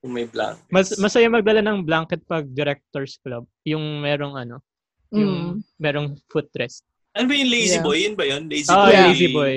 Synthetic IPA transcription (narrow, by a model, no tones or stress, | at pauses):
jʊŋmɐjbla̰ŋkmɐsmɐsɐjamɐɡ̚d̪ɐlanɐŋblaŋkɛt̪̚pɐɡ̚d̪ɪɾɛk̚t̪oɹsklob̚jʊŋmɛːɾoŋʔɐno̞ | mɛːɾoŋfut̪ːɾɛst̪̚ | ʔɐnobɐjʊŋlejzibojːʊnbɐjonlejzioʔlejsiboj